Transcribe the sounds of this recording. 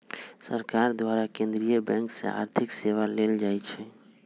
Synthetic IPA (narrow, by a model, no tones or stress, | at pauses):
səɾkaɾd̪waɾakẽnd̪ɾijəbɛ̃ŋksḛa̰ɾt̪ʰikseʋaleld͡ʒajt͡ʃʰɛ